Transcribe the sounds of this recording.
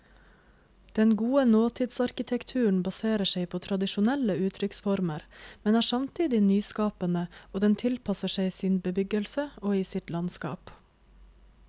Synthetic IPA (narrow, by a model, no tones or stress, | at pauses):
d̪̥ɛnɡuːənoːt̪ʰɪd̪sɑɾkɪt̪ʰɛkt̪ʰʉːɳ̩bɑseːɾəʃeɪpʰoːt̪ʰɾɑd̪ɪʃʊnɛləʉːt̪ʰɾʏksfɔɾməɾmɛnæːʃɑmt̪ʰiːd̪ɪnyːskɑːpənəoːd̪ɛnt̪ʰɪlpʰɑsəʃeɪiːsiːnbəbʏɡəlsəoːiːsɪt̪lɑnskɑ̰ːp